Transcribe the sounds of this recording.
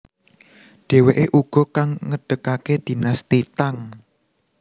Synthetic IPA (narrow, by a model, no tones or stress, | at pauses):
ɖ̥e̤weʔeʔuɡ̥ɔ̤kaŋːəɖ̥ə̤kaked̪̥i̤nast̪it̪aŋ